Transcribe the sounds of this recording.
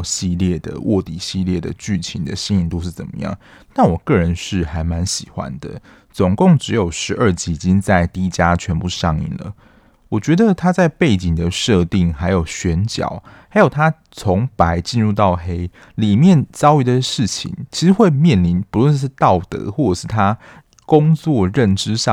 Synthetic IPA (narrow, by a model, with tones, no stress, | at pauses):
ɕi˥˧ljɛ˥˩d̪ə̰˩wʔɔ˥˩t̪i˨˩ɕi˥˧ljɛ˥˩d̪ə̰˨t͡ɕy˥˩t͡ɕʰi˧˥nd̪ə̰˨ɕi˥ni˨˩ŋt̪o˥ʊʂ̬̩˥˩t͡sə̰˨˩nmə̰˦jɑ̰˥˩ŋ | na˥˩wɔ˨˩kɤ˥˩ɻə˧˦nʂɻ̩˥˩xa˧˥ɪma˧˦nɕi˨˩xwa̰˦nd̪ə̰˨ | t͡so˨˩ŋkʊ˥˩ŋʈ͡ʂɻ̩˧˥jo˨˩ʊʂɻ̩˧˥ʔə˞˥˧t͡ɕi˧˥i˨˩t͡ɕi˦˥ŋt͡sa˥˩ɪt̪i˥t͡ɕja˦t͡ɕʰɥɛ˧˥npu˥˧ʂɑ˥˧ŋḭ˥˩nlə̰˩ | wɔ˨˩t͡ɕɥɛ˧˥d̪ə˧t̪ʰa˥t͡sa˥˧ɪpe˥˩ɪt͡ɕi˨˩ŋd̪ə˩ʂɤ˥˧t̪i˥˨˩ŋxa˧˥ɪjo˨˩ʊɕɥɛ˧˦˥nt͡ɕjɑ̰˨˩˦ʊha˧˥ɪjo˨˩ʊt̪ʰa˦˥ | t͡sʰo˧˥ŋpa˧˥ɪt͡ɕi˥˧nɻu˥˧t̪ɑ˥˩ʊxe˥ɪ | li˨˩mjɛ˥˨nt͡sɑ˥ʊy˧˥d̪ə˧ʂɻ̩˥˩t͡ɕʰḭ˨˩˦ŋt͡ɕʰi˧˥ʂɻ̩˧˥xwe˥˧ɪmjɛ˥˨˩nli˧˥npu˨˩lwɛ˥˧nʂɻ̩˥˧t̪ɑ˥˩ʊt̪ɤ̰˧˦xwɔ˥˩ʈ͡ʂə˨˩ʂɻ̩˥˩t̪ʰa˥ | kʊ˥ŋt͡swɔ˥˨ɻə˥˨nʈ͡ʂɻ̩˥ʂɑ˥˨